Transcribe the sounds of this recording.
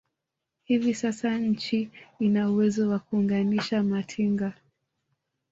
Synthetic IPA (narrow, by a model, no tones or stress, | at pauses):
hivisasaɲ̩t͡ʃiinauwɛzɔwakuːŋɡaniʃamatʰiŋɡa